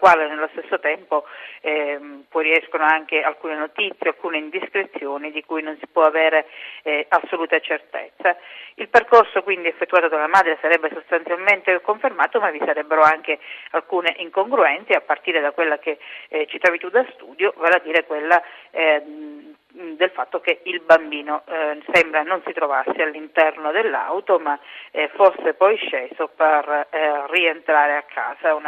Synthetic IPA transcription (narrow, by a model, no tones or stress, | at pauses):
kwaːlenelːost̪esːot̪ɛmpoɛpɔjriɛskonoaŋk̟ealkuːnenot̪it̪sjealkuːneind̪iskɾet̪sːjoːnid̪ikujnonsi̥pwɔavɛːɾe | asːoluːt̪at͡ʃert̪ḛt̪sːailperkorsokwind̪iefːet̪ːuaːt̪od̪olamaːd̪ɾesaɾɛbːesost̪ant̪sjalment̪ekoɱfermaːt̪omavisaɾɛbːeɾoaŋk̟ealkuːneʔiŋkoŋɡɾuɛnt̪sjeapːart̪iːɾed̪akwelːaket͡ʃːit̪ɾɔːvit̪ud̪ːast̪uːd̪jovaːlad̪iːɾekwelːa | d̪elfat̪ːokeilbambiːnosɛmbɾanonsit̪ɾovasːealːint̪ɛrnod̪elːa̰wt̪omaforsːepɔjʃːeːzoperrːient̪ɾaːɾeakʰːa̰ːsauna